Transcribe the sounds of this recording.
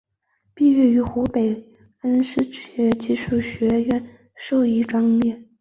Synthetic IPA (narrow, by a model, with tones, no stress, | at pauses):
pi˥˧ɥɛ˥˩y˧˥xu˧˥pe˨˩ɪ | ə˥nʂɻ̩˥ɕɥɛ˧˥t͡ɕi˥˧ʂu˥˩ɕɥɛ˧˥ɥɛ˥˩n | ʂo˥˧ʊi˧˥˩ʈ͡ʂwɑ˥ŋmjɛ˥˩n